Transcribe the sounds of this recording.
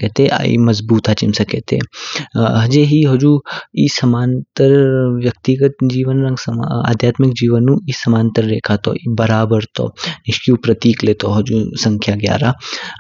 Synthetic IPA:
eːt̪ʰeʔa̰ːḭmɐzbuːt̪aːt͡ʃɪmsɐkeːt̪ʰḛ | ɦɐd͡ʒeɦiɦod͡ʒuisɐmaːnt̪əɾʋjɐk̚t̪iɡət̪̚d͡ʒiːʋənɾɐ̃ŋɡsəma̰ːd̪ʱjaːt̪mɪkd͡ʒiːʋənːũisɐmaːnt̪əɾːeːkʰaːt̪o̰ːibɐɾaːbəɾt̪o̰nɪʃkjuːpɾɐt̪iːkleːt̪oɦɐd͡ʒuːsɐ̃ŋkʰjaɡja̰ːɾaː

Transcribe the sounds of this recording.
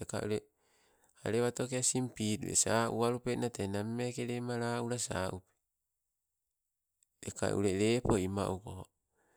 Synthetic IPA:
eka̰ʔuɾe | a̰ɾeβato̞keasimpitṵḛsaʔṵaɾupenatenamimekeɾemaɾaːuɾasa̰ʔupe̥ | eka̰ʔṵɾe̞ɾe̞ːpo̞ima̰ʔukoho

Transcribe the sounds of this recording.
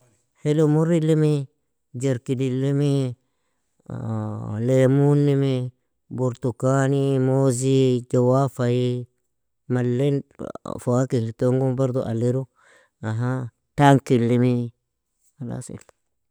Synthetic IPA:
helomuɾilimi | d͡ʒeɾkidilimi | lemunːimi | buɾtukanimozid͡ʒowafaji | malːenfoakiltoŋɡumbaɾd̪uʔa̰leɾu | aɦa | taŋkilːimi | ala̰sḛl

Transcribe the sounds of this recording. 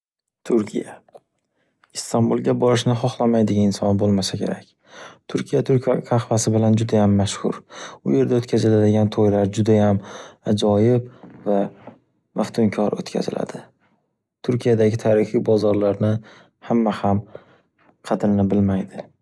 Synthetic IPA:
t̪ʰʊɾkʲʰija | ɪst̪ʰambulˠɡʲabɒɾɪʃnɪχɒχlˠamajd̪ɪɡʲaɪnsɒnbolˠmasakʲʰe̞̰ɾakʲ | t̪ʰʊɾkʲʰijat̪ʰʊɾkkʲʰaχvasɪbɪland͡ʒʊd̪ajamːaʃhʊ̰ɾʊ̰je̞ɾd̪aot̪kʰʲazɪlad̪ɪɡʲant̪ʰojlaɾd͡ʒʊd̪ajamad͡ʒɒjɪbva | mʔaft̪ʰʊmkʲʰɒɾo̰t̪kʲʰa̰zɪla̰d̪̥ɪ | t̪ʰʊɾkʲʰijad̪aɡʲɪt̪ʰaːɾɪχijbɒzɒɾlaɾnɪ | hamːaham | qʰɑd̪ɪɾnɪbɪlmajd̪ɪ

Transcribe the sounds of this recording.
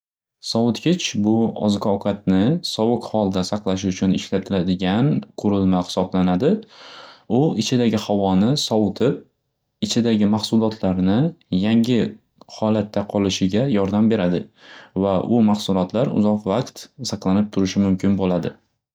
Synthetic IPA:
sɒwʊt̪kʲɪt͡ʃbʊɒ̰zɡɒkʰɑt̪̚nɪsɒwʊkhɒlˠd̪asɑqlˠaʃ̬ɪʊt͡ʃʰʊnɪʃlat̪ʰɪlad̪ɪɡʲanqʰʊɾɪlmahɪ̥sɒblanad̪ɪ | ʊɪt͡ʃʰɪd̪aɡʲɪhavɒnɪsɒʊt̪ʰɪp̚ | ɪt͡ʃʰɪd̪aɡʲɪmaχsʊlˠɒt̪ʰlaɾnɪjaŋʲɪ | hɒlat̪ʰːaqʰɒlɪʃɪɡʲajɒɾd̪ambe̞ɾad̪ɪvaʔʊmaχsʊlˠɒt̪ʰlaɾʊ̰zɒqvaqt̪sɑqlˠanɪp̚t̪ʰʊɾɪʃɪmʊmkʲʰɪnbolad̪ɪ

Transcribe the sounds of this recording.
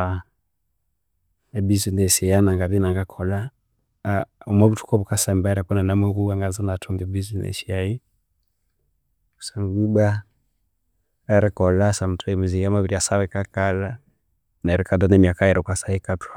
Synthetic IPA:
a | ɛbizinɛsɛjanaŋɡaβinaŋɡakʰɔla | ɔmaβutʰu̥kɔβukasambaɾɛpɔnanamɛɡuaŋɡazanatʰɔŋɡɛbizinɛ̰ʃiai | usaŋɡuba | ɛɾɛkɔlasam̩tʰuimuziɡamaβiɾiasawɛkakala | naɛɾɛkadɔnɛmiakaɛɾʔɛkwasaikatwa

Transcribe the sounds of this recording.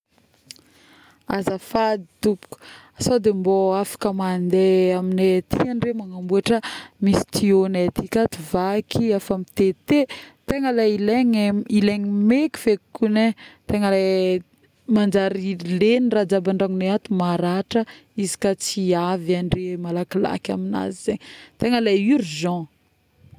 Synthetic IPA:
azafad̪i̥t̪upu̥ku̥asod̪emboafḁkəmand̪eaminet̪ʰianiremaŋambuaʈ͡ʂəmisi̥t̪ionet̪ikʲat̪uvakʰiafamit̪et̪et̪eŋəlaileŋileŋimeki̥v̥ekːunet̪eŋəla | mand͡ʒaɾilenirad͡ʒabaɳɖ͡ʐaŋuneat̪umaɾaʈ͡ʂəizi̥kat͡siavanremalakila̰kʲa̰mina̰zizeɲit̪eŋəlajiɾuzɔ̃

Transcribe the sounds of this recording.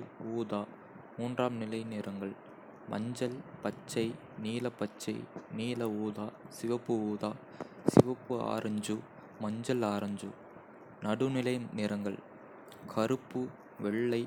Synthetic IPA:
uːðaː | muːndraːmnɪlɐɪneːɾɐŋɡɐɭ | mʔɐ̰ɲd͡ʒɐlpɐt͡ʃːɐɪ | niːlɐpːɐt͡ʃːɐɪniːlɐuːðaːsɪʋɐpːɯuːðaː | sɪʋɐpːɯa̰ːɾɐɲd͡ʒɯ | mɐɲd͡ʒɐlaːɾɐɲd͡ʒɯ̰ | nɐɽɯnɪlɐɪneːɾɐŋɡɐɭ | kʰɐɾɯpːɯ | ʋɛɭːɐɪ

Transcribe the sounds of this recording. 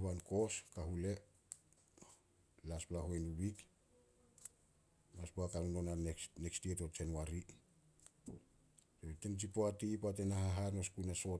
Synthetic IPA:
anko̞skaɦule̞ | lasplaɦojnuβik | maspoakanuno̞naenekstieto̞t͡ʃe̞nwaɾi | sotent͡ʃ̬ipoatipoat̬enaɦaɦanoskujnaso̞

